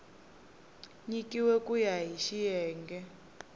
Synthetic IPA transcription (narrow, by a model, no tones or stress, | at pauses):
ɲikʼiwɛkʼujaɦiʃijɛːŋɡɛ